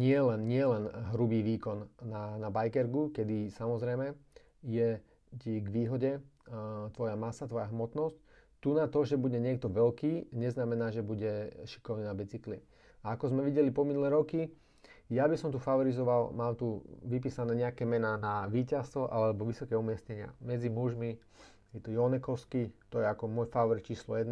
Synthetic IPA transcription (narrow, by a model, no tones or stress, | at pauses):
ɲɪɛlɛnɲɪɛlɛnɦɾubiːʋiːkɔnːanabajkɛɾɡukɛd̪isamɔzɾɛjmɛ | jɛ | ciɡʋiːɦɔɟɛ | t̪ʋɔjamasat̪ʋɔjaɦmɔt̪nɔsc | t̪unat̪ɔʒɛbuɟɛɲɪɛk̚t̪ɔʋɛlkiːɲɛznamɛnaːʒɛbuɟɛʃi̥kɔʋniːnabɛt͡sikli | aakɔzmɛʋiɟɛlipɔminulɛːɾɔki | jabisɔmt̪ufaɔɾizɔʋalmaːmt̪uʋip̬iːsanɛːɲɛakɛːmɛnaːnaʋiːcast̪ʋɔʔalɛɛbɔʋisɔkɛːumɪɛsɲɛɲɪa̰mɛd͡zimuʒmi | jɛt̪ɔjɔnɛkɔʊskit̪ɔjɛakɔmʊɔjfaʋɔɾit̪t͡ʃiːslɔ̰jɛd̪n